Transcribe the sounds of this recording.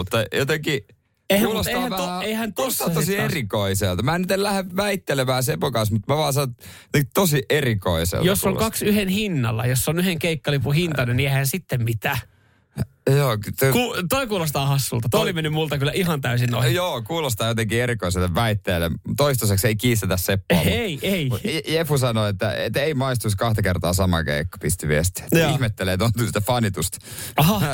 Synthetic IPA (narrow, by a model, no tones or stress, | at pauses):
mut̪ːɑjo̰t̪eŋki | eihkæuːloseɑhːæoeihænt̪ost̪ɑt̪osierikoiselt̪ɑmæːnyt̪ellæheʋʋæit̪ːelemæːsepokɑnsmut̪mæʋɑːnsɑnojot̪eŋki̥t̪osiʔeriko̰isḛljosːoŋkɑksyhenhinːɑ̰lːɑ̰josːonyheŋkeikːɑlipuhint̪ɑnenieihænsit̪ːemmit̪æː | joːt̪kuːt̪oikuːlost̪ɑːhɑsːult̪ɑt̪oolimenːymmult̪ɑkylːæʔiɦɑnt̪æysinːo̰ijoːkuːlost̪ɑːjot̪eŋkieɾikoiselːeʋʋæit̪ːeːlːemt̪oist̪osekseikiːst̪et̪æssepːeieijefusɑnoet̪ːæ̰ḛt̪ːeimɑist̪uskɑht̪ɑkert̪ɑːsɑmɑ̰kḛikːɑ̥pist̪iʋiest̪et̪ːihmet̪ːeleːt̪ont̪yst̪æfɑnit̪ust̪ɑhɑ